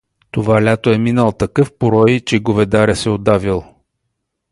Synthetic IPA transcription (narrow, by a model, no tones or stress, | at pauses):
t̪ovalʲat̪oɛminəlˠt̪ɐkɤfpoɾɔjit͡ʃɛɡovɛd̪aɾɛsɛod̪avilˠ